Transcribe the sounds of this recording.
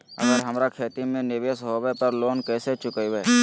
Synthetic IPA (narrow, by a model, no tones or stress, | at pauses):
ɐ̰ɡəɾɦɐmɾakʰeːt̪imẽnɪʋeːsɦobɛpɐɾloːnkɛːset͡ʃʊkəiwɛː